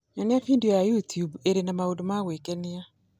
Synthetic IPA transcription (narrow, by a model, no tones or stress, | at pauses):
ɛnafindiojajutjubeɾenamaodomawekɛnɪa